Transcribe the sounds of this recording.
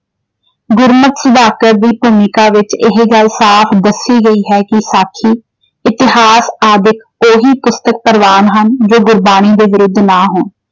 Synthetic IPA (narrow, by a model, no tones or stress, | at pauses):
ɡʊɾmət̪səd̪aːkəɾ̚d̪iːpuːmɪkaːʋɪt͡ʃɪɦeɡaːlsaːpʰd̪əsiːɡəiːɦɛːkɪsaːkʰiː | ɪt̪ɪɦaːsaːd̪ɪk | oːɦiːpʊst̪ək̚pəɾʋaːnɦənd͡ʒoːɡʊɾbaːɽ̃iːd̪eːʋɪɾʊd̪ʱːnaːɦʊːn